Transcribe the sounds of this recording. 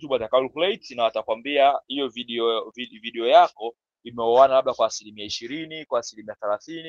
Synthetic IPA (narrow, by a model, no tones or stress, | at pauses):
tuɓatakauliklɛitnawatakwambiahijɔviɗɛɔviviɗɛɔjakɔ | imɛɔanalaɓɗakwaːsilimiaiʃiɾinikwaːsilimiaθɛlaθini